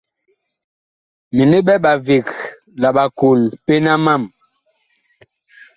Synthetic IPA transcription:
mi˨ne˦ɓɛ˦ɓa˨vi˨k | la˨ɓa˨ko˨lpe˦na˦ma˦˨m

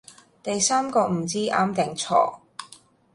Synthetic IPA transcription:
t̪ɐ˨jsaː˥mkɔː˧m̩˨˩t͡siː˥ʔa̰ː˧˥mt̪ɪ˨ŋt͡sʰɔ̰ː˨˩

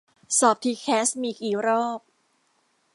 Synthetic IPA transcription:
sɔː˨˩p̚t̪ʰiː˧kʰɛː˦˥smiː˧kiː˨˩˦ɾɔː˥˩p̚

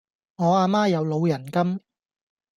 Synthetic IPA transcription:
ŋɔː˨˧aː˧maː˥jɐ˨˧wlo˨˧wjɐ˨˩nkɐ˥m

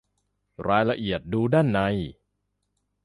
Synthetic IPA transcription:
ɾaː˧jla˧ʔi˨˩ət̪̚duː˧daː˥˩nːa˧j

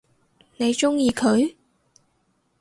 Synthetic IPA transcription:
ne˨˧jt͡ʃʊ˥ŋjiː˧kʰɵ˨˥ɥ

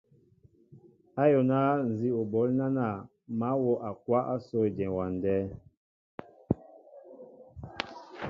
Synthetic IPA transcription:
a˦jɔ˨na˦n̩˨zi˦o˨bɔ˨˦lna˦na˦˨ | ma˨˦wɔ˦ʔa˨k̚wa˦ʔa˦sɔ˦˨d͡ʒɛ̃˨wa˨n˨dɛ˦

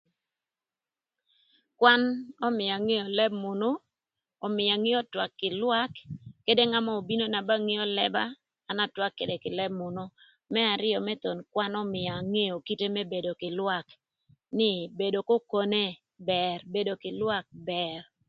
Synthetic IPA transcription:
kwa˦nɔ˦mɪ˨ja˨ŋe˦o˨lɛ˦b̚mʊ˨no˦ | ɔ˨mɪ˨a˨ŋɪ˦ɔ˦twa˨kːɪ˨lwa˦kːe˦de˦ŋa˦mɔ˦o˨bi˦no˦na˨ba˦ŋɪ˦ɔ˦lɛ˦baː˦˨ | na˦twa˦kːe˨de˨kɪ˨lɛ˦bmʊ˨no˦ | mɛ˦a˨ɾɪ˦ɔ˨mɛ˦t̪o˨nkwa˦nɔ˦mɪ˨ja˨ŋe˦o˨ki˦te˦mɛ˦be˨do˨kɪ˨lwa˨k | nɪ˨be˨do˨ko˦ko˦ne˦ | bɛ˨rbe˨do˨kɪ˨lwa˦k̚bɛ˨r

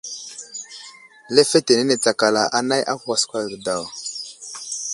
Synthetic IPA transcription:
le˦fe˦te˨ne˦ne˨t͡sa˨ka˨la˨ʔa˨na˦jʔa̰˦kwa˨skʷa˨ɡə˨da˨w

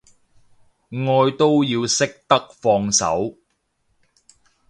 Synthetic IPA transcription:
ŋɔː˧jt̪o˥wjiː˧wsɪ˥k̚t̪ɐ˥k̚fɔː˧ŋsɐ̰˨˥w

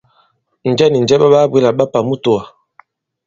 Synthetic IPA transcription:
n̩˨d͡ʒɛ˦ni˨n˨d͡ʒɛ˦ɓa˦ɓa˦bwi˦la˨ɓa˦pa˨mu˦to˨a˨

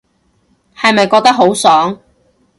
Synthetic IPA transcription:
hɐ˨jmɐ˨jkɔː˧k̚t̪ɐ˥k̚ɦo˨˥wsɔː˨˥ŋ

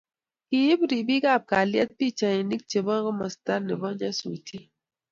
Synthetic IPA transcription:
ki˨ji˦bɾi˨bi˦ɡa˦˨p̚ka˨ljɛ˦t̚pi˦˨t͡ʃa˨ni˨ni˦k̚t͡ʃe˨bɔ˦ɡə˦ma˨sta˦ɾne˨bɔ˦n˦ɲa˦sṵ˨tʰi˦

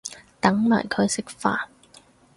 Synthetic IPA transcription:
t̪ɐ˨˥ŋmaː˨˩jkʰɵ˨˧ɥsɪ˥k̚faː˧n

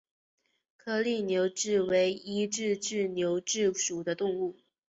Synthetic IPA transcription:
kʰɤ˥˧li˥˩njo˧˥ʊʈ͡ʂɻ̩˥˩we˧˥ɪi˥ʈ͡ʂɻ̩˥˧ʈ͡ʂɻ̩˥˩njo˧˥ʊʈ͡ʂɻ̩˥˩ʂu˨˩d̪ə˦t̪ʊ˥˧ŋu˥˩

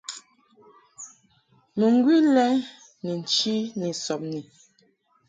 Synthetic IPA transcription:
mə˨ŋ˦ɡwi˦lɛ˦ŋ | ni˨n̩˨t͡ʃi˦ni˨sɔ˨p̚ni˨

